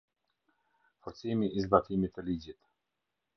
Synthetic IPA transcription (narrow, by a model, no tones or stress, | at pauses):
fɔɾt̪t͡simiizbat̪imit̪əlid͡ʑit̪